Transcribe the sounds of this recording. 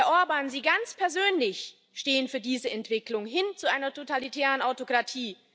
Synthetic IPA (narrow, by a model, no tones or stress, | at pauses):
ɐʔʊɐbaːnziːɡant͡spʰɛɐzøːnlɪç | ʃteːənfyːɐdiːzəʔɛntv̥ɪklʊŋɦɪnt͡suʔaɪnɐtʰotʰalitʰɛːʁənaʊtokʁ̥atʰiː